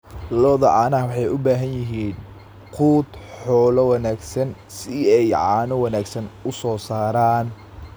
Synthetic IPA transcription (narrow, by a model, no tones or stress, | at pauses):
lɔðɐʕɑːnɐwɑħɑjʊbaːɦɐnjɪɦiːn | qʰuːd̪ħɔːlɐwɑnaːɡsɐn | sɪɛjʕɑːnɔwɑnaːɡsɐnʊsɔːsaːɾaːn